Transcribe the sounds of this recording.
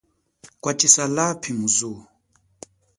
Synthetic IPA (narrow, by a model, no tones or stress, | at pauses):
kwat͡ʃisalapʰimuzɔ